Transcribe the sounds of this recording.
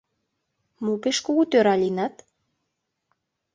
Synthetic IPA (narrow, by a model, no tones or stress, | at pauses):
mupeʃkoɣut̪øɾɑlʲinɑt̪